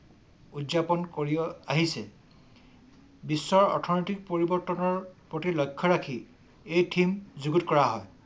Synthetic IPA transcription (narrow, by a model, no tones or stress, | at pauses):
udzapɔnkoɹiaɦisɛ | bisːɔɹɔ̰tʰɔnitik̚poɹibɔɹtɔnɔɹpɹotilɔjkʰːɔɹakʰi | ejtʰimzuɡutkɔɹaɦɔj